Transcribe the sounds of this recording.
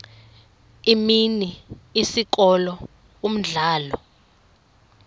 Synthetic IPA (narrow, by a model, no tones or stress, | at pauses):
iminiːsik̬ɔlɔ | um̩ɮaːlɔ